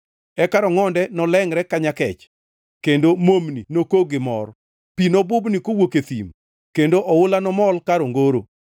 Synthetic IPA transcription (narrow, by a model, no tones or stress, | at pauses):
ɛkaɾɔŋɔndɛnɔlɛŋɾɛkaɲakɛt͡ʃ | kendomomninokoɡɪmɔ̰r | pinobʊbnikowoket̪ḭm | kendoʔɔwʊlanɔmɔlkaɾoŋɡoɾo